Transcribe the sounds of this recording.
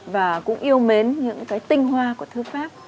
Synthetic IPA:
vaː˨˩kʊ̰˧˥ŋ͡mʔi˧əwme˨˦nɲɨ̰˧˥ŋkaː˨˦jt̪ï˧ŋ̟hwaː˧ku˧˩ət̪ʰɨ˨˦faː˦˥p̚

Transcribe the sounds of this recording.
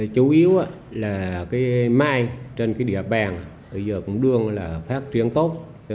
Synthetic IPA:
t͡ɕu˨˦ʔi˨˦əwʔaː˨˧˦ | laː˨˩kaː˨˦jmaː˧jt͡ɕe˧nkaː˨˦jɗḭ˧˨əɓaː˨˩n˨ | ɓə˧˩jzəː˨˩kʊ̰˧˥ŋ͡mɗɨ˧əŋlaː˨˩faː˦˥k̚t͡ɕwi˧˩ənt̪o˦˥t̚

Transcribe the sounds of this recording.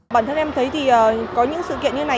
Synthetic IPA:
ɓa̰ː˧˨nt̪ə˧nʔɛ˧mt̪ʰə˨˦jt̪ʰi˨˩ʔəː˨˩kɔ˨˦ɲɨ̰˧˥ŋsɨ̰˧˨kḭ˧˨ənɲɨ˧˩na˨˩

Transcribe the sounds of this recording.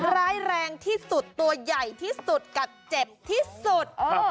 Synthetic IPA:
ɾaː˦˧˥jɾɛː˧ŋt̪ʰiː˥˩su˨˩t̪ːu˧ɐja˨˩jt̪ʰiː˥˩su˨˩t̪̚ka˨˩p̚t͡ɕe˨˩p̚t̪ʰiː˥˩su˨˩t̪̚ʔoː˧

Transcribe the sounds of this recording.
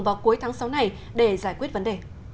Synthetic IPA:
ŋ͡mvaː˨˩wku˨˦əjt̪ʰaː˨˦ŋsa˨˦wna˨˩j | ɗe˧˩zaː˧˩jkwi˦˥ət̚və˨˦nɗe˧˨˩

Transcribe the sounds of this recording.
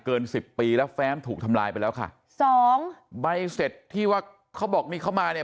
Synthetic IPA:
kɤː˧nsi˨˩pːiː˧lɛ˦˥wfɛː˦˥mt̪ʰuː˨˩k̚t̪ʰa˧mla̰ː˧jpa˧jlɛː˦˥wkʰa̰˥˩ | sɔː˨˦ŋba˧jse˨˩t̪ʰːiː˥˩waː˥˩ | kʰa˦˥wbɔː˨˩k̚miː˧kʰa˥˩wmaː˧ni˥˩

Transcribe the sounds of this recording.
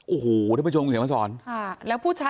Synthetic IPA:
ʔo˨˩hoː˨˩ɾɛː˧˩m˧˩t͡ɕo˧ŋː˨˩˦ma˧˩sɔː˨˩˦nkʰa˥˩lɛː˦˥wpʰuː˥˩t͡ɕʰaː˦˥

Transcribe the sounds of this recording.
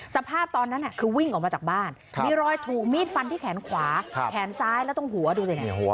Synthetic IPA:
sa˧pʰaː˥˩p̚t̪ɔː˧nːa˦˥nːʔa˧˨˩kʰɯː˧wi˥˩ŋʔɔː˨˩k̚mː˧t͡ɕa˨˩k̚baː˥˩n | miː˧ɾɔː˧jt̪ʰuː˨˩k̚miː˥˩t̪̚fa˧nt̪ʰiː˥˩kʰɛː˩˦nkʰwaː˩˦˧kʰɛː˩˦nsaː˦˥jlɛ˦˥t̪ɔ˥˩ŋhu˩˦ɐduː˧lna˨˧˩

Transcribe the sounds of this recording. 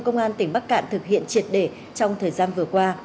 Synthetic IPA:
kə˧wŋ͡mʔaː˧nt̪ï˧˩ŋ̟ɓa˦˥k̚ka̰ː˧˨nt̪ʰɨ˨˩k̚hḭ˧˨ənt͡ɕi˨˩ət̚ɗe˧˩ | t͡ɕɔ˧wŋ͡mt̪ʰəː˨˩jzaː˧nvɨ˨˩əkwaː˧

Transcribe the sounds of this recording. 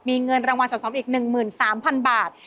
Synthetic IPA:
miː˧ŋɤ˧nɾaː˧ŋwa˧nsɔː˩˦˥sɔː˩˦mʔiː˨˩k̚nɯ˨˩ŋmɯː˨˩nsaː˩˦mpʰa˧nbaː˨˩t̪̚

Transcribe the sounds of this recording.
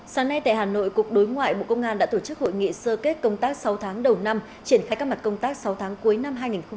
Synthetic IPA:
saː˨˦ŋna˧jt̪a̰ː˧˨jhaː˨˩no̰˧˨jku˨˩ək̚ɗo˨˦jŋwa̰ː˧˨jɓo̰˧˨kə˧wŋ͡mʔaː˧nɗa̰ː˧˥t̪o˧˩t͡ɕɨ˦˥k̚ho̰˧˨jŋḭ˧˨səː˧ke˦˥t̚kə˧wŋ͡mt̪aː˦˥k̚sa˨˦wt̪ʰaː˨˦ŋɗə˨˩wna˧m | t͡ɕi˧˩ənxaː˧jkaː˦˥k̚ma˨˩t̚kə˧wŋ͡mt̪aː˦˥k̚sa˨˦wt̪ʰaː˨˦ŋku˨˦əjna˧mɦaː˧jŋi˨˩nxə˧

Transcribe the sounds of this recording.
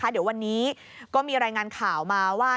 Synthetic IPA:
a˦˥di˩˦wa˧nːiː˦˥ | kɔː˥˩miː˧ɾaː˧jŋaː˧nkʰaː˨˩˦wmaː˧waː˥˩

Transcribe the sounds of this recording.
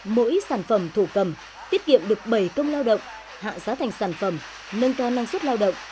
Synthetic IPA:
mo̰˧˥jsaː˧˩nfə˧˩mt̪ʰu˧˩kə˨˩m | t̪i˦˥ət̚kḭ˧˨əmɗɨ˨˩ək̚ɓə˨˩jkə˧wŋ͡mlaː˧wɗə̰˧˨wŋ͡m | ha̰ː˧˨zaː˨˦t̪ʰa˨˩jŋ̟saː˧˩nfə˧˩m | nə˧nkaː˧wna˧ŋswt̚laː˧wɗə̰˧˨wŋ͡m

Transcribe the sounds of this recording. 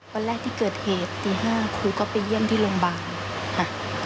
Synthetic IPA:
bɔː˧lɛː˧˥˨t̪ʰiː˧˥˩kɤː˨˩t̪̚heː˨˩t̪ːiː˨˩ɦaː˥˩kʰuː˧˩˦kɔː˧˩pa˨jːi˧˥˩nt̪ʰiː˧˩lo˧ŋbaː˨˧ŋ | kʰa˧˩

